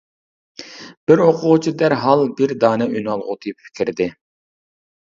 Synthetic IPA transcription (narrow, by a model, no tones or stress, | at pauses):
b̥ɪɾoqʰʊʁʊt͡ʃʰid̪æɾɦɑlˠbɪɾd̪ɑːnɛʔynɑlˠʁʊd̪epfʰi̥kʲʰiɾd̪ɪ